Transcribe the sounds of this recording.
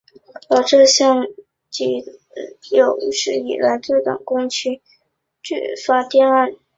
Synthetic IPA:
ə˧˩ʈ͡ʂɤ˥˧ɕjɑ˥˩ŋ | t͡ɕi˧˥ | jo˨˩ʊ˥ʂɻ̩˧˥ḭ˨˩la˧˥ɪʈ͡ʂo˥˩t̪ɑ̰˨˩ŋkʊ˥ŋt͡ɕʰy˥ | t͡ɕy˥˩fa˥t̪jɛ˥˧na˥˩n

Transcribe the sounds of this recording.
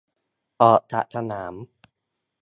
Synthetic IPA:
ʔɔː˨˩ʔt̪ʰa̰˨˩ʔt̪ʰa˧naː˩˦m

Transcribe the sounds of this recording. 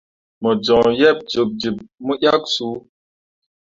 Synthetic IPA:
mɔ˨d͡ʒɔ̃˨jɛ˦˨p̚d͡ʒo˨k̚d͡ʒi˨p̚mu˦ʔja˦ksu˨˦

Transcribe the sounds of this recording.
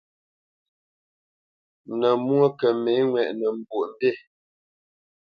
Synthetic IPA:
nə˨mwo˦kə˨me˨˦ŋwɛ˨ʔnə˨m̩˦bwo˨ʔm̩˦be˦˨

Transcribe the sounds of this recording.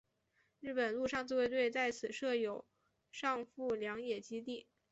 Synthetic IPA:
ɻɻ̩˥˩pə˨˩nlu˥˧ʂɑ˥˧ŋt͡sɹ̩˥˧we˥˧ɪt̪we˥˧ɪt͡sa˥˩ɪt͡sʰɹ̩˨˩ʂɤ˥˩jo˨˩˦ʊ | ʂɑ˥˧ŋfu˥˩ljɑ˧˥ŋjɛ˨˩t͡ɕi˥t̪i˥˩

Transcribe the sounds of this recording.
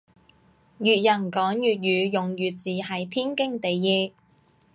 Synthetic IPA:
jyː˨t̚jɐ˨˩nkɔː˨˥ŋjyː˨t̚jyː˨˧jʊ˨ŋjyː˨t͡siː˨hɐ˨˧jt̪ʰiː˥nkɪ˥ŋt̪e˨jːɛː˧˥

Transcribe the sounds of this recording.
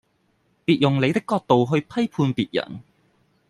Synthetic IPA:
piː˨t̚jʊ˨ŋle˨˧jt̪̬ɪ˥kːɔː˧k̚t̪o˨wɦɵ˧ɥpʰɐ˥jpʰuː˧npiː˨t̚jɐ̰˨˩n

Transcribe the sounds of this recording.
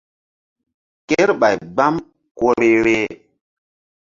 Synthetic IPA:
ke˦ɾɓa˨jɡ͡ba˦m | ko˦ɾe˦ɾe˦

